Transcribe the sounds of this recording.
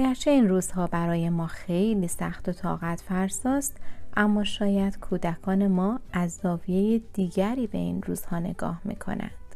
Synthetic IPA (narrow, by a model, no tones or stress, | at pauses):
ɒɡæɾt͡ʃʰe̞iːnruːz̥hɒːbæɾɒːje̞mɒːxe̞jliːsæxt̪o̞t̪ʰɒ̰ːɣæt̪ʰfæɾsɒːst̪ʔæmːɒːʃɒːjæd̪̥kʰuːd̪ækʰɒːne̞mɒːæzːɒːvije̞jed̪̥iːɡæɾiːbe̞̰inruːz̥hɒːne̞̰ɡɒ̰ːhmḭːkʰo̞̰næ̰nd̪̥